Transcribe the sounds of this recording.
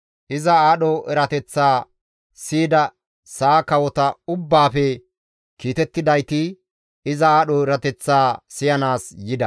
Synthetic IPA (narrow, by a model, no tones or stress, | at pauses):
ʔɪzɐaːɗɔɛɾɐt̪ɛt͡sːaː | siːd̪ɐ | saːkɐwɔt̪ɐʊbːaːfɛ | kiːt̪ɛt̪ːɪd̪ɐjt̪ɪ | ɪzɐaːɗɔɛɾɐt̪ɛt͡sːaːsɪjɐnaːsjɪd̪ɐ